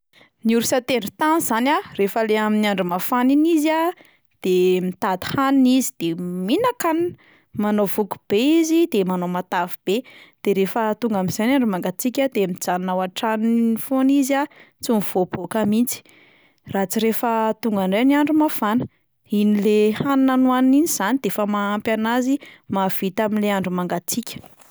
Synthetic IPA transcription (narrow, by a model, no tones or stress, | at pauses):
nuɾusat̪eɳɖ͡ʐut̪anzanarefəleaminaɳɖ͡ʐumafaniniza | d̪̥emit̪ad̪i̥haninizid̪̥eminakan | manovuku̥b̥eizid̪̥emanomat̪avib̥ed̪̥eɾefət̪uŋɡamiz̥anaɳɖ͡ʐumaŋɡat͡sikʲad̪emid͡zannawaʈ͡ʂanifoniza | t͡sumv̥obokamint͡si̥ | rat͡siɾefət̪uŋɡaɳɖ͡ʐeniaɳɖ͡ʐumafanə | inilehannanuanniniz̥anid̪efəmaːmpjanazimav̥it̪aminleaɳɖ͡ʐumaŋɡat͡sikʲə̥